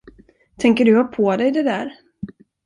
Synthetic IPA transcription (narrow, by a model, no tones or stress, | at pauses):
t̪ʰɛŋkəɖɵhapʰɔd̪ɛjd̪ɛd̪æːɾ